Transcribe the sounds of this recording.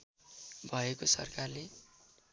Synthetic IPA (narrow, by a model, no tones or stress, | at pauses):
bʱʌekosʌ̰rkarle